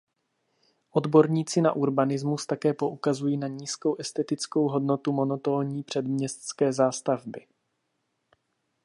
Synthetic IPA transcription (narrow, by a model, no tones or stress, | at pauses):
ʔo̞d̪bo̞ɾɲiːt͡sɪna̰ʔuɾbanɪzmust̪akɛːpo̞ʔukazujiːnaɲiːsko̞wʔɛst̪ɛt̪ɪt͡sko̞wɦo̞dno̞t̪umo̞not̪o̞ːɲiːpr̝̥ɛdmɲɛst̪skɛːzaːst̪avbɪ